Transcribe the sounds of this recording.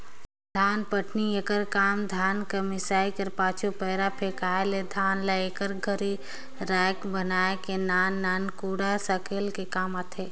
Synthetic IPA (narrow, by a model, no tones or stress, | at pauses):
d̪ʱaːnpəʈniekəɾkaːmd̪ʱaːnkɐmɪsaːikɐɾpaːt͡ʃʰupɛːɾapʰeːkaːeled̪ʱaːnlaekəɾɡʱəɾi | ɾaːjkbənaːekenaːnːaːnkuːɽasəkeːlkekaːmat̪ʰeː